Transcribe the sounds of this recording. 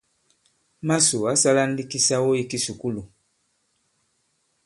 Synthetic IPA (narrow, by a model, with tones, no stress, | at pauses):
ma˦su˨a˦sa˦la˦n̩˦di˦ki˦sa˦wo˦i˦ki˦su˨ku˦lu˨